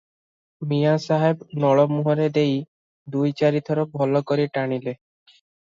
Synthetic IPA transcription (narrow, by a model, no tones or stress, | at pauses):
mijasaɦebnɔɭɔmuɦɔɾed̪ej | d̪ujt͡ʃaɾit̪ʰɔɾɔbʱɔlɔkoɾiʈaɽ̃ile